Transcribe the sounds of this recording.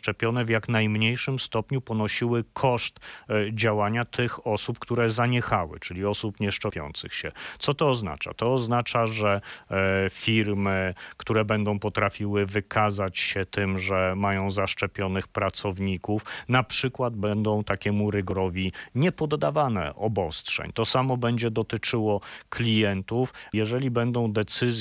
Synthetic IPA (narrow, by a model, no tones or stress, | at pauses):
t͡ʂɛpʲjɔnɛvjaknajmɲejʂɘmst̪ɔpɲupɔnɔɕiwɘkʰɔʂt̪d͡ʑawaɲat̪ʰɘxɔsupkt̪uɾɛzaɲɛxawɘ̰t͡ʂɘlʲiɔsupɲɛʂt͡ʂɛpʲjɔ̰nt̪sɘ̰xɕɛt̪sɔt̪ɔːzna̰t͡ʂa̰t̪ɔːznat͡ʂaʐɛ | fʲiɾmɘkt̪uɾɛbɛnd̪ɔ̃w̃pɔt̪ɾafʲiwɘvɘkʰazat͡ɕɕɛt̪ɘmʐɛmajɔ̃w̃zaʂt͡ʂɛpʲjɔnɘxpɾat̪sɔvɲikufnapʂɘkwad̪̚bɛnd̪ɔ̃w̃t̪akʲɛmuɾɘɡɾɔvʲiɲɛpɔd̪ːavanɛ̰ʔɔbɔstʂɛ̰ɲt̪ɔsamɔbɛɲd͡ʑɛd̪ɔt̪ɘt͡ʂɘwɔklʲijɛnt̪ufjɛʐɛlʲibɛnd̪ɔ̃w̃d̪ɛt̪sɘzʲ